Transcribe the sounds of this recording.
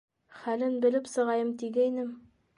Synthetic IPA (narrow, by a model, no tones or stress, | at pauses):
χælɘnbɘ̆lɘpsɤ̆ʁɑjɤmt̪iɡæjnɘm